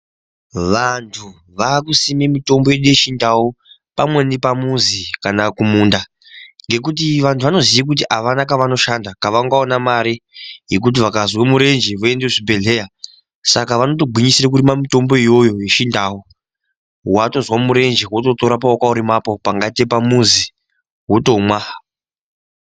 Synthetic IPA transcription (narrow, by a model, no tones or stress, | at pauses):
ʋantʰu | ʋakusimemito̞mbo̞jeɗujeʃindawo | pamwe̞nipamunzikanakumuːnda | ŋɡe̞k̬utiʋantʰuʋano̞zijak̬ut̬iʔaʋanakaʋano̞ʃandakaʋaŋɡaonamaɾijek̬ut̬iʋakazwemuɾe̞nd͡ʒeʋoe̞ndeʐibʱe̞ɮe̞ja | sakaʋano̞toɡʱiɲisiɾek̬uɾimamito̞mbo̞ijo̞jo̞jeʃindaːwo | wato̞zwamuɾe̞nd͡ʒewoto̞to̞ɾap̬aokauɾimaːpo̞paŋɡatepamuzi | ɦwoto̞mwa